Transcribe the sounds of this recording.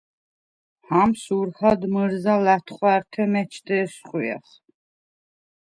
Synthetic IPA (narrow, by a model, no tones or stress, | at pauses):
hamsuɾhad̪məɾzalæt̪ʰχʷʼwaɾt̪ʰɛmɛt͡ʃʰt̪ʼɛːsχia̰χ